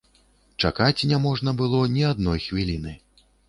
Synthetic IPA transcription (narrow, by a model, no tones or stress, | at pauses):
t͡ʂa̰kat͡sʲnʲamɔʐnɐbɨlˠɔnʲiad̪̚nɔjxvʲilʲinɨ